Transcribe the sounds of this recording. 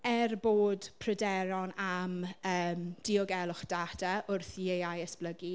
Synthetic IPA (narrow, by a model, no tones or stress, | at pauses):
ɛrboːd̥pʰrədɛɾɔnaməːmd̥ɪɔɡɛlˠʊχd̥adaʔʊrθiejajəsb̥ləɡi